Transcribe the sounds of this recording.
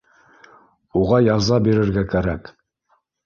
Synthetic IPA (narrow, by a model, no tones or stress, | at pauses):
uʁɑjɑzɑbiɾɘ̆ɾɡækæɾæk